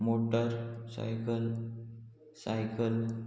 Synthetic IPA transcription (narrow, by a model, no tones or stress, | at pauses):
moʈəɾsa̰jkəl | sajkəl